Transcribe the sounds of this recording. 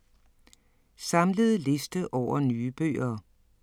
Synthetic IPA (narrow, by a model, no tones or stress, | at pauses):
sɑ̈mləð̞ˠle̝sd̥əʔɒʊ̰ɐnyːəb̥ø̰ːɐː